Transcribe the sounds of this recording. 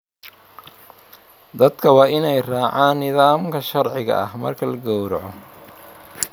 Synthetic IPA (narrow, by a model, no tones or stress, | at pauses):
d̪ɐd̪kʰɐwɑːʔɪnɛjraːʕaːnːɪðaːmkʰɐʃɐrʕɪɣɐ̰ʔɐ̰hmɐ̰rkʰɐlɐɡɔwɾʕɔ